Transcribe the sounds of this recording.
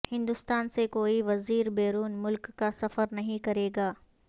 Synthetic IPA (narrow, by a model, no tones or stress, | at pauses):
hɪ̃nd̪ʊst̪aːnsekoːiʋɐziːɾbeːɾuːnmʊlkːasɐfəɾnɐɦĩkɐɾeːɡaː